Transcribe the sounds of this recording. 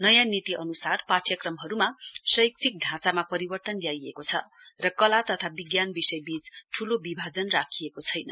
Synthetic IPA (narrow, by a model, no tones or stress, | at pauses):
nʌjãnit̪iʔʌnusarparʈjʌkrʌmɦʌɾumasʌjk̚t͡sʰik̚ɖʱãt͡samapʌɾibʌrt̪ʌnljajekot͡sʰʌ̰ | rʌkʌlat̪ʌt̪ʰabiɡjanbisʌjbit͡sʈʰulobibʱad͡zʌnrakʰijekot͡sʰʌjnʌ̰